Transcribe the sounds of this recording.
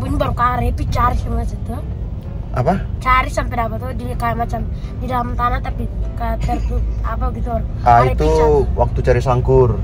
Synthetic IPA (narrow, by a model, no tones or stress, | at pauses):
puɲbaɾukaɾɛt̪ut͡ʃaɾismasit̪u | ʔapat͡ʃaɾɪsampɛdapat̪udikajamat͡ʃamdidalamt̪anat̪apikat̪ɛrt̪uapaɡit̪uaɾaaiit̪uwak̚t̪ut͡ʃaɾisaŋkur